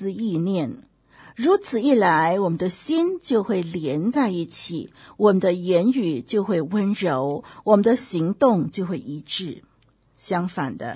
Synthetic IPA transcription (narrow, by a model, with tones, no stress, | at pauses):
ɹ̩˥˧i˥˧njɛ˥˩n | ɻu˧˥t͡sʰɹ̩˨˩i˥˩la˧˥ɪwɔ˨˩mə˦nd̪ə˧ɕi˥nt͡ɕjo˥˧ʊxwe˥˩ɪljɛ˧˥nt͡sa˥˧ɪi˥˩t͡ɕʰḭ˨˩wɔ˨˩mə˦nd̪ə˧jɛ˧˥ny˨˩t͡ɕjo˥˧ʊxwe˥˩ɪwə˥nɻo˧˥ʊwɔ˨˩mə˦nd̪ə˧ɕi˧˥ŋt̪ʊ˥˧ŋt͡ɕjo˥˧ʊxwe˥˩ɪʔi˧˥ʈ͡ʂɻ̩˥˩ | ɕjɑ˥ŋfa˨˩nd̪ə̰˦